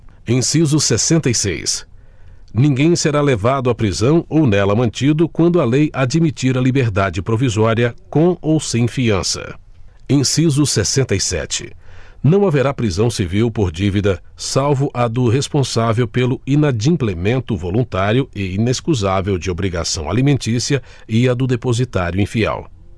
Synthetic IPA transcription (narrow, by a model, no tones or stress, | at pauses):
ẽj̃sizʊsesẽnt̪ɐjsḛjs | nĩɡẽj̃seɾalevad̪ʊapɾizɐ̃w̃ownɛlɐmɐ̃nt͡ʃid̪ʊkwɐ̃nd̪ʊalejʔad͡ʒimit͡ʃiɾɐlibeɾd̪ad͡ʒɪpɾovizɔɾiɐkõowsẽj̃fiɐ̃sɐ̰ | ẽj̃sizʊsesẽnt̪ɐjsɛ̰t͡ʃɪ̥̰nɐ̃w̃aveɾapɾizɐ̃w̃siviwpoɾd͡ʒivid̪ɐ | sawvʊʔɐd̪ʊɦespõsavewpelʊinad͡ʒĩplemẽnt̪ʊvolũt̪aɾjʊɪineskuzavewd͡ʒɪobɾiɡa̰sɐ̰̃w̃a̰limẽnt͡ʃisiɐ | ɪɐd̪ʊd̪epozit̪aɾjʊĩfiɛ̰w